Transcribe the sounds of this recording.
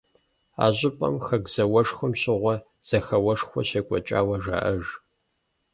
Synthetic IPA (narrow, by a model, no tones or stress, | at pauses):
a̰ːʑʼɪpʼɐ̰mxɐɡz̥ɐwɐʂxʷɨmɕʼɪʁʷɔ | z̥ɐxɐwɐʂxʷɔɕekʷʼɔt͡ʃʼa̰ːwɐʒa̰ːʔɐʒ